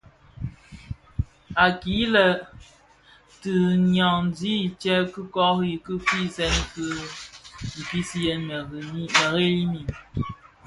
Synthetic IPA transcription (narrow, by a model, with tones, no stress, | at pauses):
a˨ki˨˦lə˨ | tɨ˨ɲɔ˨ŋn˨di˦i˨t͡ʃɛ˦kɨ˦kɔ˦kji˨kɨ˦fi˦sɛ˦nkɨ˦˨ | ki˦si˦jɛ˦n˨˦mə˨ɣe˦li˦mi˨m